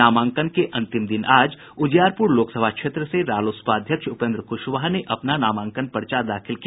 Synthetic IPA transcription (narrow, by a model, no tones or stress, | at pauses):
aːmãːŋkənkeʔɐ̃nt̪ɪmd̪ɪnaːd͡ʒ | ʊd͡ʒjaːɾpʊɾloːksəbʱakʃeːt̪ɾəseɾaːloːspaːd̪ʱjəkʃʊpẽːnd̪ɾəkʊʃʋaːɦneʔɐpnanaːmãːŋkənpɐɾt͡ʃaːd̪aːkʰɪlki